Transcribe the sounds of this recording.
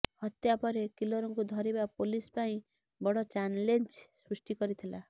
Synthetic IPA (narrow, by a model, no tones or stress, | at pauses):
hʌt̪japɔɾekiloɾɔŋkud̪ʱɔɾibapolispaĩ | bɔɽɔt͡ʃanlent͡ʃsɾusʈikɔɾit̪ʰila